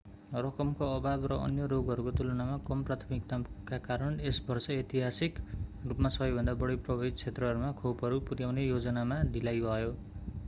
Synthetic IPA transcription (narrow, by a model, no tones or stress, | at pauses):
rʌkʌmkoʌbabrʌʌ̰njʌɾoɡʌɾukot̪ulʌnamakʌmprat̪ʰʌmik̚t̪akakaɾʌnesbʌrsʌet̪iɦasikrupmasʌbʌjbʱʌnd̪abʌɽiprʌbʱʌbit̪̚t͡sʰet̪rʌɦʌɾumakʰowpʌɾupurjawnejod͡zʌnamad̪ilajʱʌjo